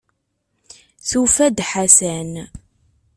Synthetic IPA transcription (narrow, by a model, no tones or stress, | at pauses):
θufæd̪ħasæn